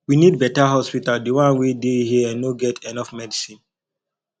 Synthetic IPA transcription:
winid̚bɛtaɦɔspitaldewãnwedehiəɛ̃nnoɡɛtʰɛnɔfmɛdisĩn

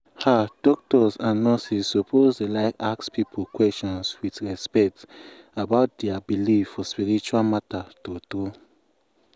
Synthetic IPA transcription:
had̥ɔk̚tɔsãnːɔsisːopʰozdelaɪkakspipʰokwɛst͡ʃɔ̃nswitɹɛspɛk̚t | abaʊt̚dɛabilifːɔspiɹit͡ʃualmatatoto

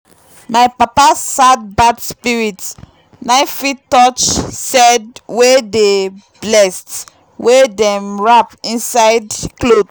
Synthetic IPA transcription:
majpapasad̚badspiɹit | naɪfitɔt͡ʃsɛdwede | blɛst | wedɛ̃mɹapĩnsaɪdklod

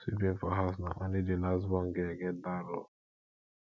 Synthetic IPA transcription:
swipĩnfɔɦas̬na̰ʔɔ̃nidelastbɔ̃nɡeɡɛdaɾɔ

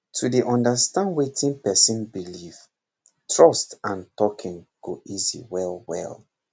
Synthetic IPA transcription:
tʰudeʔɔ̃ndəstãnwetʰĩnpɛsĩnbiliv | tʰɹɔstãntɔkʰĩŋɡ̥o̰ʔizḭwɛlwɛ̰l

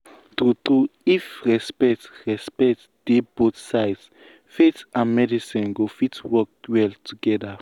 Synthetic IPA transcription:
tutɾuifɹɛspɛk̚tɹɛspɛt | d̥ebotsaɪds | fetãnmɛdisĩnɡofitwɔk̚wɛltʰuɡɛda

